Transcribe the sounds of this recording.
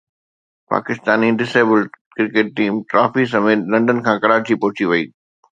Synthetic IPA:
pa̰ːkɪst̪aːniɖɪseːbəlɖ | kɪɾkeːʈ̚ːiːmʈɾaːfis̬ɐmeːt̪lɐ̃ɳɖən̆kʰãːkɐɾaːɾt͡ɕipɔɦʊt͡ɕiʋɐiː

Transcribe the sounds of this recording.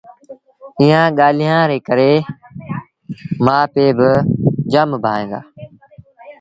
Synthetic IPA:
iːãːɠaːl̤ijãːɾeːkəɾeː | mãːpeːbɪd͡ʒəmbʱaːẽːŋɡ̪a̰ː

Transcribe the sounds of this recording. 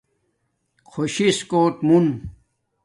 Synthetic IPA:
kʰoɕiskoːt̪mun

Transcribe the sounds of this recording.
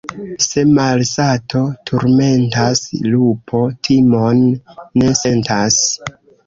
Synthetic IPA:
se̞malsatʰo̞tʰuɾme̞ntaslupʰo̞tʰimo̞nːe̞se̞ntʰas

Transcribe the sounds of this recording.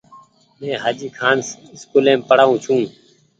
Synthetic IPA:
mẽːɦaːd͡ʒiːkʰaːn | skuːlẽːmpəɽaːũːt͡ʃʰũː

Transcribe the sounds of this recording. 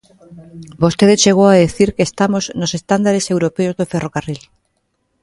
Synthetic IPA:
bost̪eðet͡ʃeɣowaðeθiɾkest̪amoznosest̪and̪aɾesewɾopeozðoferokaril

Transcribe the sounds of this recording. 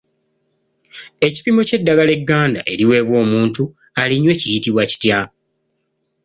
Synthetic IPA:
e̞ci̥pimo̞ce̞dːaɡale̞ɡːaːnda̰ʔe̞̰ɾiwe̞ːβwo̞ːmuːntu | aliɲwe̞cijitiβwaci̥tja

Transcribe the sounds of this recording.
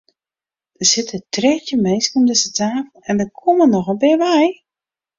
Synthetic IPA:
d̥əsɪtətrɛːtəmejskomdəsətaːkn̩ɛndəkʰomənɔxəbɪʋɛj

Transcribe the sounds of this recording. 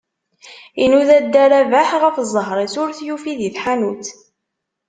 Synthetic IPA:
inuðæd̪ːæɾævaħʁəfzˤːəɦɾˤesʊɾθjufiðiθħanuθ

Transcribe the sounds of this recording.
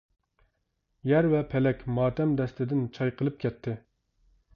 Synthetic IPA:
jɛɾvɛpʰɛlɛkʲmɑːt̪ɛmd̪ɛst̪ʰɪd̪ɪnt͡ʃʰɑjqʰəlˠɨp̚kʲɛt̪ʰːɪ

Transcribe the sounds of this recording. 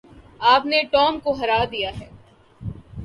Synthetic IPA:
aːpneʈɔːmkoɦɐɾaːd̪ijaɦɛː

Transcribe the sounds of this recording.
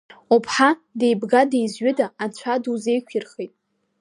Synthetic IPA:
upʰħadejbɡadejzɥɪdaːt͡ɕʷʰaduze̞jkʷʰirχejtʼ

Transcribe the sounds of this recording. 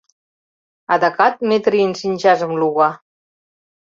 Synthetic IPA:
ad̪akat̪̚met̪ɾiensinʲʒazəmluɣa

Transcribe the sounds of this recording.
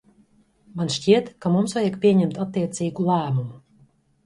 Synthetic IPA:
manʃciɛt̪kamumsvajakpʲiɛɲɛmt̪at̪ːiɛt̪siːɡulˠæːmumu

